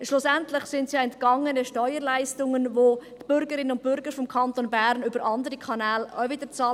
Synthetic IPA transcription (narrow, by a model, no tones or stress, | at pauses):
ʃlʊsɛntlɪχsɪntsjɑɛntkɑŋənəʃtɔʏəɾlaɪstʊŋənvotb̥ʏɾɡəɾɪnənʊnt̚b̥ʏɾɡəɾfɔmkʰɑntonbæːɾnʏbəɾɑndəɾikʰɑnɛːla̰vɪdət͡sɑː